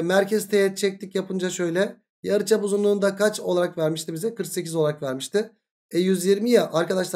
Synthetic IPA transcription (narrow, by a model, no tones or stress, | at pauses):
mæɾcʰɛzt̪ʰejɛt͡ʃʰɛc̚t̪ʰicjapʰɯnd͡ʒaʃø̞jlʲɛ | jaɾɯt͡ʃʰabuzunlˠuːnd̪akʰat͡ʃo̞lˠaɾakvæɾmiʃt̪ibizɛkʰɯɾkse̞cizolˠaɾakvæɾmiʃt̪ʰɪ | ɛjyzjiɾmijaʔaɾkad̪aʃlˠ